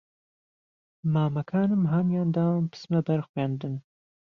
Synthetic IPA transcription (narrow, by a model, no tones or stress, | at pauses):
maːmɐkʰaːnɨmɦaːnjɑːnd̪ɑːmpɨ̥smɛbɐɾxwɑːnd̪ɨn